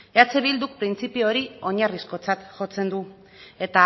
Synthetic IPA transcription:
eat͡seβild̪uk̚pɾint͡sipio̞ɾio̞ɲarisko̞t͡sat̪ʝo̞t͡se̞nd̪u | e̞t̪a

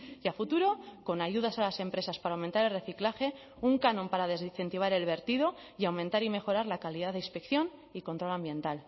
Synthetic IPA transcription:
jafut̪uɾo̞ko̞naʝuð̞asalase̞mpɾe̞saspaɾawment̪aɾe̞lre̞θiklaxe̞ | uŋkanõ̞mpaɾaðe̞ziθe̞nt̪iβ̞aɾe̞lβe̞ɾt̪ið̞o̞ | iawmẽnt̪aɾime̞xo̞ɾaɾlakaliðaðeinspe̞kθjo̞n | iko̞nt̪ɾo̞lãmbje̞nt̪al

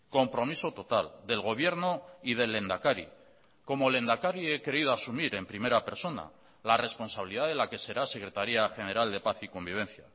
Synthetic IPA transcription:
ko̞mpɾo̞miso̞t̪o̞t̪ald̪e̞lɣ̞o̞β̞je̞ɾnoiðe̞le̞nd̪akaɾḭ | ko̞mo̞le̞nd̪akaɾie̞keið̞oasumiɾe̞mpɾime̞ɾape̞ɾso̞na̰ | lare̞spo̞nsaβiliðaðelake̞se̞ɾase̞kɾe̞t̪aɾiaxe̞ne̞ɾald̪e̞paθiko̞mbiβ̞e̞n̟θja̰

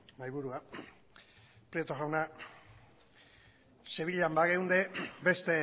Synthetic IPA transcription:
majβuɾua | pɾiet̪oɣawna | se̞β̞iʎambaɣewnd̪ebe̞st̪e̞

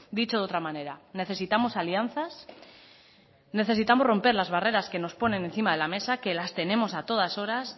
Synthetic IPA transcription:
d̪it͡ʃo̞ðo̞t̪ɾamane̞ɾane̞θe̞sit̪amo̞salian̟θas | ne̞θe̞sit̪amo̞ro̞mpe̞ɾlazβ̞are̞ɾaske̞no̞spo̞nẽ̞ne̞nθimaðe̞lame̞sake̞last̪e̞ne̞mo̞sat̪o̞ð̞aso̞ɾas

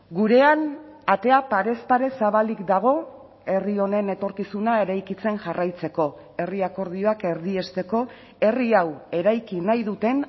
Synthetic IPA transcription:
ɡuɾe̞anat̪e̞apaɾe̞staɾe̞saβalikd̪aɣ̞o̞ | e̞rio̞ne̞ne̞t̪o̞ɾkisunae̞ɾajkit͡se̞nʝarajt͡se̞ko̞ | e̞riako̞ɾð̞io̞ake̞ɾðie̞st̪e̞ko̞ | e̞riawe̞ɾajkinajðut̪e̞n

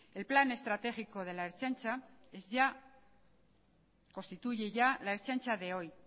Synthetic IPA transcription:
e̞lplane̞st̪ɾat̪e̞xiko̞ð̞e̞laeɾt͡ʃant͡ʃaezʝa | kost̪it̪uʝeʝalaeɾt͡ʃant͡ʃaðe̞o̞j

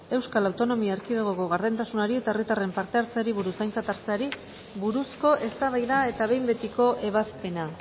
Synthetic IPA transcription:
e̞wskalawt̪o̞no̞miaeɾkiðeɣoko̞ɣaɾðe̞nt̪asunaɾie̞t̪aerɣit̪are̞mpaɾt̪e̞aɾt͡seaɾiβ̞uɾusajnt͡sat̪aɾt͡seaɾi | βuɾusko̞ʔe̞st̪aβ̞ajðae̞t̪aβe̞jmbe̞t̪iko̞ʔe̞β̞aspe̞na

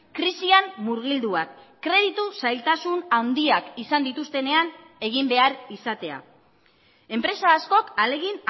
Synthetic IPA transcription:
kɾisiammuɾɣ̞ild̪uakː | ɾe̞ð̞it̪usajlt̪asunawnd̪iakisand̪it̪ust̪e̞ne̞an | e̞ɣ̞imbe̞aɾisat̪e̞a̰ | e̞mpɾe̞saːsko̞kale̞ɣin

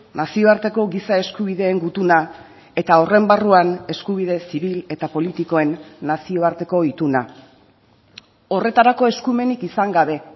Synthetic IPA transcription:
nasio̞aɾt̪e̞ko̞ɣisae̞skuβ̞iðe̞ːŋɡut̪una | e̞t̪ao̞re̞mbaruane̞skuβið̞e̞siβ̞ile̞t̪apo̞lit̪iko̞e̞nːasio̞aɾt̪e̞ko̞it̪una | o̞re̞t̪aɾako̞e̞skume̞nikisaŋɡaβe̞

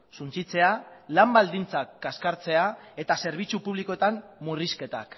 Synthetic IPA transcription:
sunt͡sit͡se̞alambald̪int͡sakːaskaɾt͡se̞ae̞t̪ase̞ɾβ̞it͡supuβliko̞et̪amːuriske̞t̪a̰k

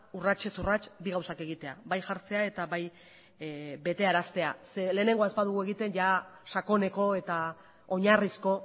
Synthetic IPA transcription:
urat͡ʃe̞surat͡ʃbiɣawsake̞ɣ̞it̪e̞abajʝaɾt͡se̞ae̞t̪aβaj | be̞t̪e̞aɾast̪e̞asele̞ːne̞ŋɡoaespað̞uɣ̞ue̞ɣit̪e̞nʝaʃako̞ne̞ko̞e̞t̪a | o̞ɲarisko̞

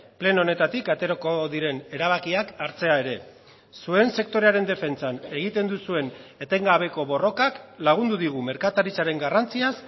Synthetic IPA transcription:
ple̞no̞ne̞t̪at̪ikat̪e̞ɾoko̞ðiɾe̞ne̞ɾaβ̞akiakaɾt͡se̞ae̞ɾe̞ | sue̞nse̞k̚t̪o̞ɾe̞aɾe̞nd̪e̞fe̞nt͡sane̞ɣ̞it̪e̞nd̪usue̞ne̞t̪e̞ŋɡaβ̞e̞ko̞βo̞ro̞kaklaɣ̞und̪uðiɣ̞ume̞ɾkat̪aɾit͡saɾe̞ŋɡarant͡sias

